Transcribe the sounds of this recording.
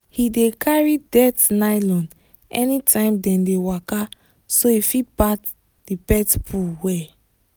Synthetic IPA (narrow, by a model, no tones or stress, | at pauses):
hidekʰaɹidɛtnaɪlɔ̃n | ɛ̰nitʰãɪ̃mdɛ̃ndewaka | soifipat | d̥ipɛtpʰulwɛ